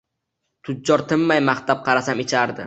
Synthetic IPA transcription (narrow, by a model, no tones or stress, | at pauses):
t̪ʰʊd̚d͡ʒɒɾt̪ʰɪmːajmaχt̪ap̚qʰɑɾasamɪt͡ʃʰaɾd̪ɪ